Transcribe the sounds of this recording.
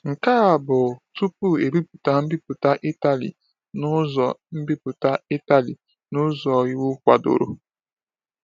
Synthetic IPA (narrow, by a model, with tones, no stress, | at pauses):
ŋ̩˨ka˦a˨bʊ˨tu˦pu˦e˨bi˦pʊ˨ta˦m̩˦bi˦pʊ˨ta˦ʔi˦ta˨lḭ˨ | nʊ˦zɔ˨m̩˦bi˦pʊ˨ta˦i˦ta˨li˨ | nʊ˦zɔ˨i˦wu˦kʷa̰˨do̰˨ɾo̰˦